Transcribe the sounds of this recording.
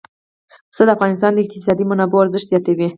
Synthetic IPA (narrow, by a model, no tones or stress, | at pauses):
səd̪əafɣɑnɪst̪ɑnd̪əɪq̚t̪ɪsɑd̪imanɑboaɾzəʃt̪z̥jɑt̪awi